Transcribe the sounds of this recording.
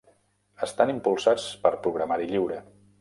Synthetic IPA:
əst̪animpulˠsat͡spəɾpɾuɣɾamaɾiʎiwɾə

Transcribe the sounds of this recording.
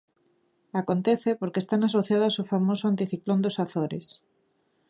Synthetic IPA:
akont̪eθepoɾkest̪anasoθjaðosofamosʊant̪iθiklond̪osaθoɾḛs

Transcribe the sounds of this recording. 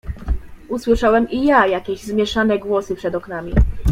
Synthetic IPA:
uswɘʂawɛmijajakʲɛʑzmʲjɛʂanɛɡwɔsɘpʂɛd̪ɔknamʲi

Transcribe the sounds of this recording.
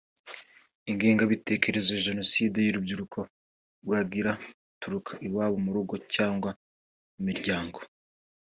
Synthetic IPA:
iŋɡiːŋɡaβite̞ːke̞ɾe̞zoʒe̞no̞siːde̞juɾubɟuɾukʰo̞ | ɾwaɡiɾautuɾukʰḁʔiwaːβumuɾuɡo̞caːŋɡwa | umiɾɟaːŋɡo

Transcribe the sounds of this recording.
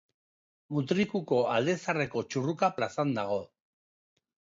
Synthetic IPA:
ut̪ɾikuko̞ald̪e̞sare̞ko̞t͡ʃurukaplasand̪aɣ̞o̞

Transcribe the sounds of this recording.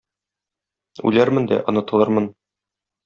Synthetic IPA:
ʉ̰læɾmɘ̆nd̪æ̰ʔŏnɤ̆t̪ɤ̆lˠɤɾmɤn

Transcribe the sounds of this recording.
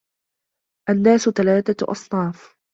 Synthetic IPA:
ʔanːaːsʊt̪alaːt̪aʔɑ̰sˤnɑːf

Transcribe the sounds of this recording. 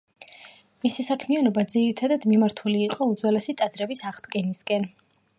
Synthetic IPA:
misisakʰmianɔbad̪ziɾit̪ʰad̪ad̪mimaɾt̪ʰuliːqʼɔud̪zwɛlɛsit̪ʼad̪zɾɛbisaʁd̪̥ɡɛniskʼɛn

